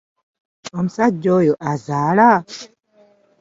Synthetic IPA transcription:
ɔmsad͡ʒɔjɔʔazaːla

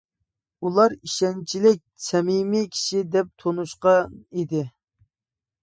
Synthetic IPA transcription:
ulˠɑɾiʃɛnt͡ʃʰilɪk̚ʲsɛmimikʲʰi̥ʃid̪ɛp̚t̪ʰonuʃqɑnid̪ɪ

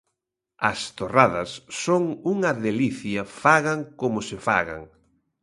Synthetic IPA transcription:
ɐst̪oraðɐsːoŋuŋɐðeliθjɐfaɣaŋkomʊsɪfa̰ɣa̰ŋ

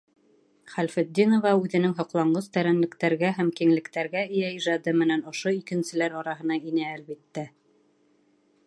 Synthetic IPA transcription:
χælfɘ̆d̪ʲːinŏvɑʉðɘ̆nɘŋɦŏqlˠɑɴɢɤst̪æɾænlɘ̆kt̪æɾɡæɦæmkiŋlɘ̆kt̪æɾɡæɘ̆jæiʒɑd̪ɤmɘ̆nænŏʃoikɘ̆nsɘ̆læɾɑɾɑɦɤ̆nɑinæːlβit̪ːæ

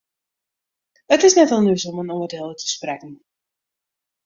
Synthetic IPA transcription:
ətɪsnɛtɔlˠnysɔmənɔnədelˠətə̥sprɛkn̩

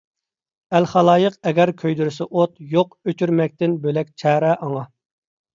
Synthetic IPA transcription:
ælχɑlˠɑːjəqɛɡʲɛɾkʲʰøjd̪yɾɪsɛʔot̪joqøt͡ʃʰyɾmɛk̚ʲt̪ɪnbølɛk̚ʲt͡ʃʰɛːɾɛʔɑŋɑ

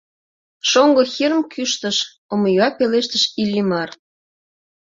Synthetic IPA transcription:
ʃoŋɡoxiɾəmkʰyʃt̪əʃ | omojuɑpeleʃt̪əʃilʲːimɑr

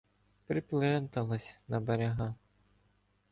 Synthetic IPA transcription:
pɾɪplˠɛnt̪ɐlˠɐsʲnɐbeɾʲɐɦa

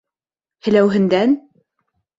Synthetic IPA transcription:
hɘ̆læwɦɘ̆nd̪æn

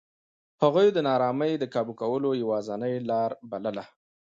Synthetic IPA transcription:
haɣujd̪ənɑɾɑməjd̪əkɑbukawəlojawɑzanəjlɑɾbaləla

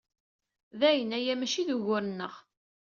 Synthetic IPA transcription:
ðæjənæjæmæʃiðuʝʊɾənːəʁ

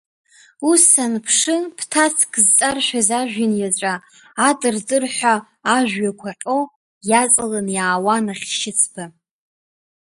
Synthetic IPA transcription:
usanpʰʂɨpʰtʰasʰkʰʼzt͡sʼarʃʷᶣazaʒᶣinjat͡ɕʷʼaː | tʼɨrdʼɨrħᶣʷaː | ʒᶣɥakʷʰaqʲʼo̞ | jat͡sʼɨlanjaːwanaχʲʃɪt͡sʰb̥a

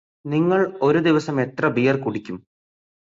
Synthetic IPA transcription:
niŋːɐɭo̞ɾud̪iʋɐsɐme̞t̪rɐbijɐrkuɽikʲːum

